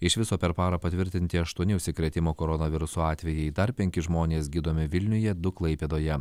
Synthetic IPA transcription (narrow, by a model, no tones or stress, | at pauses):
ɪʃʋʲɪsoːpʲɛɾpɑːɾɐpɐt̪ʲʋʲɪɾʲt̪ʲɪnʲt̪ʲɪɐʃt̪uɔnʲɪʊʃʲsʲɪkɾʲɛt̪ʲɪmoːkoɾɔnɐʋʲɪɾʊsoːɑːt̪ʲʋʲɛjɛɪd̪ɐɾpʲɛŋʲkʲɪʒmoːnʲeːsɡʲiːd̪oːmʲɪʋʲɪlʲnʲʊjɛd̪ʊklˠɐɪpʲeːd̪oːjɛ